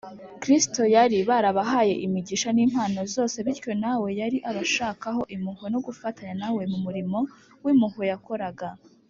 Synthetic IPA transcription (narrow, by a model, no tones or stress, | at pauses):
kɾisto̞jaɾiβaːɾaβaɦaːje̞ʔimiɟiʃaniːnhwaːno̞zo̞ːse̞βiɾco̞nawe̞jaɾiʔaβaʃaːkaɦo̞ʔimuhono̞ɡufataɲanawe̞mumuɾimo̞ | wimuhojako̞ɾaɡa